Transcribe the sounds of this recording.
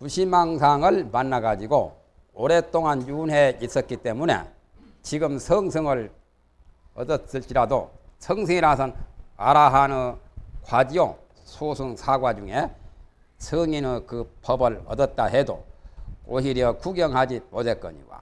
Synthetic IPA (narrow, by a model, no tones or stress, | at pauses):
puɕʰimaŋsʰaŋɯɭmanːaɡad͡ʑiɡo̰ | oɾet͈oŋanjunɦe̞is͈ʌt̚k͈it͈e̞mune̞̰ | t͡ɕiɡɯmsʰʌŋsʰɯŋɯɭ | ʌ̰dʌs͈ɯɭt͡ɕ͈iɾado̰sʰʌŋsʰɯŋiɾasʰʌna̰ɾaɦanɯnkwad͡ʑio | sʰosʰuŋsʰaɡwad͡ʑuŋe̞ | sʰɯŋinɯkɯpʌbɯɭʌ̰dʌt̚t͈aɦedo̰oɦiɾjʌkuɡjʌŋɦad͡ʑimosek͈ʌ̰ɲḭɡwa̰